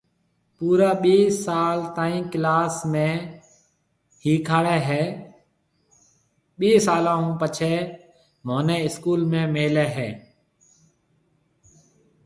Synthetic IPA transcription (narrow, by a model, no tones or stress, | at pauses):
puːɾaːɓiːsaːlt̪aːĩːklaːsmẽː | hiːkʰaːɽeːɦɛː | ɓiːsaːlãːɦũːpət͡ʃʰeː | moːneːɪskuːlmẽːmeːleːɦɛː